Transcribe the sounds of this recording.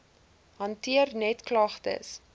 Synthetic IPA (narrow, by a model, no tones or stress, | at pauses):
ɦɐntiərnɛtklɐχtə̰s